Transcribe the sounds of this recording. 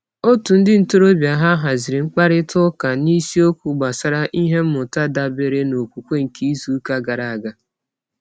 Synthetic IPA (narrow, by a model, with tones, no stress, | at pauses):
o˦tu˨n̩˦dɪ˦n̩˦to˦ɾo˦bja˨ɦa˦ɦa˨zɪ˨ɾɪ˨ŋ͡m̩˦k͡pa˦ɾɪ˦tʊ˦ka˨ni˦si˦o˦kʷu˨ɡ͡ba˨sa˦ɾa˦ʔi˦ɦe˦m̩˦mʊ˨ta˦da˦be˨ɾe˦no˨kʷu˨kʷe˦ŋ̩˨kʰi˦zu˨˦ka˦ɡa˨ɾa˨a˨ɡa˦